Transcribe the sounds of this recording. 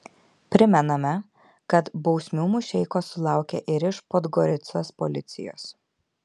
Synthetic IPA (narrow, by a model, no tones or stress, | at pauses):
pʲɾʲɪmʲɛnɐmʲɛ | kɐt̪bɒʊsʲmʲuːmʊʃʲɛɪkoːsʊlˠɑˑʊkʲɛʔɪɾɪʃpod̪ɡɔɾʲɪt̪soːspɔlʲɪt̪sʲɪ̰jo̰ːs